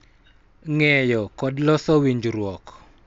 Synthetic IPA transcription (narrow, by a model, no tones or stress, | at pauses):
ŋɛjɔkɔdlɔsɔwiɲd͡ʒɾwɔk